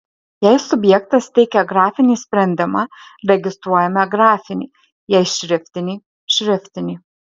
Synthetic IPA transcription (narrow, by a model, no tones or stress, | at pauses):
jɛɪsʊbʲjɛk̚t̪ɐst̪ʲɛɪkʲɛɡɾɑːfʲɪnʲiːsʲpʲɾʲɛnʲd̪ʲɪmɑɾʲɛɡʲɪst̪ɾuɔjɛmʲɛɡɾɑːfʲɪnʲḭː | jɛɪʃʲɾʲɪfʲt̪ʲɪnʲiː | ʃʲɾʲɪfʲt̪ʲɪnʲiː